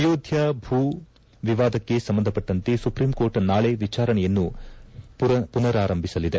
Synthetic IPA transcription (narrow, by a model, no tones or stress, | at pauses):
joːd̪ʱjɐbʱuː | ʋiʋaːd̪ɐkːe̞sɐmbɐnd̪ʱɐpːɐʈːɐnt̪esupɾiːmko̞ːɾʈnaːɭeʋit͡ʃaːɾɐɳɛjɐnːu | punɐɾaːɾɐmbʱisɐlid̪e̞